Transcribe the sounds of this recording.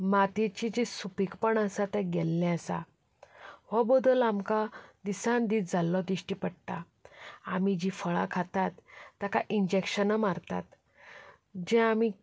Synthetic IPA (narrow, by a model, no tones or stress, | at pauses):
mat̪et͡ɕid͡ʑisupikpəɳəsat̪ɛ̃ɡɛlːɛ̃əsa̰ | ʋɔbɔd̪əlamkad̪isãnd̪iːt̪̚d͡zʱalːɔd̪iɕʈipəɽt̪a | amid͡ʑifəɭa̰kʰat̪at̪ːakaʔiɲd͡ʑekɕənəmaɾt̪a̰t̪ | d͡ʑɛ̃ami